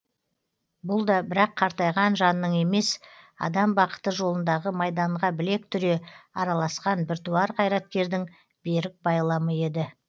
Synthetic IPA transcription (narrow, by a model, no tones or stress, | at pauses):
bʊlˠd̪ɑbɪɾɑqʰːɑɾt̪ɑjʁɑnʒɑnəːəɴe̞me̞sɑ̰d̪ɑmbɑqə̥t̪əʒo̞lˠənd̪ɑʁəmɑjd̪ɑɴʁɑbɪle̞k̚t̪ʰʏɾe̞ɑɾɑlˠɑsqɑnbɪɾt̪uɑɾqʰɑjɾɑt̪̚kʲe̞ɾd̪ɪŋ | b̥e̞ɾɪk̚bɑjlˠɑməe̞d̪ɪ